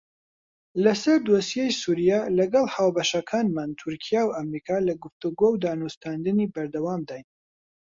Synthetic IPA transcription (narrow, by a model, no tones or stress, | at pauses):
lɐsɐɾd̪osjejsuɾijaːlɐɡɐlˠhaːwbɐʃɐkʰaːnmant̪ʰʊɾkʰijaːwʔɐmɾiːkʰaːlɐɡʊft̪uɡowd̪aːnust̪and̪ɨnibɐɾd̪ɐwaːmd̪aːj